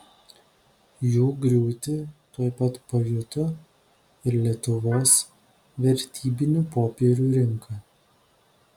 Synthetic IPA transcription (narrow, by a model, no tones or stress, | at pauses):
juːɡɾʲuːt̪ʲɪt̪uɔjpɐt̪pɐjʲʊt̪o | ɪɾlʲiɛt̪ʊʋoːs | ʋʲɛɾʲt̪ʲiːbʲɪnʲuːpoːpʲeːɾʲuːɾʲɪŋkɐ